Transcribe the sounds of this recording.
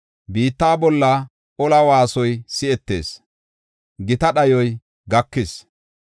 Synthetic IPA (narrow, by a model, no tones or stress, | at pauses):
biːt̪ːaːbɔlːɐ | ʔɔlɐwaːsɔjsɪɛt̪ːe̞̰ːs | ɡɪt̪ɐɗɐjɔj | ɡɐkːɪs